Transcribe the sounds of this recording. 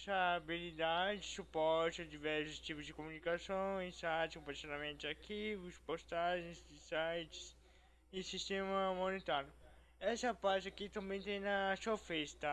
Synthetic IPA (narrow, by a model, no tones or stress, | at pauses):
sɐbilid̪ad͡ʒd͡ʒɪsupɔɾt͡ʃad͡ʒivɛɾsʊst͡ʃ̪ipʊzd͡ʒɪkomunikasõsajt͡ʃɪ̥kõpaɾt͡ʃid̪amẽnt͡ʃ̪ɪakivʊspost̪aʒẽj̃zd̪ɪsajt͡ʃɪ̥s | ɪsist̪ẽmɐmonet̪aɾjʊ | ɛsɐpaɾt͡ʃɪakit̪ɐ̃mbẽt̪ẽj̃nɐsuɐfɛst̪ɐ